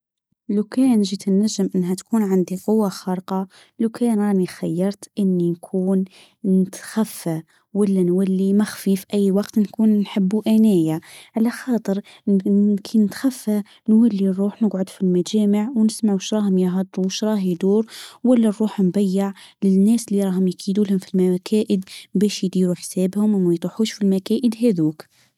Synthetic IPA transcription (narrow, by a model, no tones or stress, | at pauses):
lakæːnʒit̪ɪnːæʒːəmʔɪnːɦæt̪kuːnʕand̪iqʊwːaxɑɾˤqɑ | lawkæːnɾɑːnixajːɑɾˤt̪ʔɪnːinkʰuːn | nɪt̪xafːa | walːænwalːimaxfiːfʔɪjːwɑqt̪nkuːnnħəbːuʔænæːjaʕalaxɑːt̪ˤɨɾ | kʰinːɪt̪xæfːa | nwælːirˤːuːħnɪɡʕʊd̪filmæd͡ʒæːməʕwnɪsmaʕuʃɾˤɑːhʊmjəɦɑd̪ˤɾuʃɾˤɑːhjd̪uːɾwælːærˤːuːħnbæjːɪʕlɪnːæːslːiɾˤɑːɦʊmjɪkid̪uːlhʊmfilmækʰæːʔəd̪bæːʃjd̪iːɾuħsæːbhʊmʔæmːæjt̪ˤuħuːʃfilmækæːʔəd̪ɦæðuːk